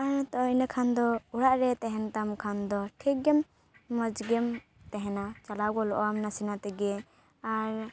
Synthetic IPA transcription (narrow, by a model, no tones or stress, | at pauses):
aɾt̪ɔinakʰand̪ɔuɽaʔɾɛt̪ɛɦɛnt̪amkʰand̪ɔʈʰɛɡɛmː | əd͡ʒɡɛm | t̪ɛɦɛnat͡ʃalaɡɔlɔʔɔamnasinat̪ɛɡɛ | aɾ